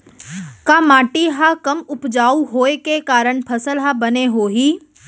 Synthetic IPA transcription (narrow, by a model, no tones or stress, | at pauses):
kaːmaːʈiɦakɐmʊpd͡ʒaːuɦoːekekaːɾəɳ̃pʰɐsəlɦabɐneɦoːɦiː